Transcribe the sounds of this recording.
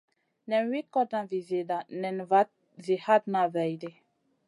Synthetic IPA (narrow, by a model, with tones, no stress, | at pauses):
nɛ˨nwi˦kːɔ˦dnã˨vi˨ze˨da˨nɛ˨nva˦t̚ | zi˨ha˦tnã˨vɛ˨jdi˦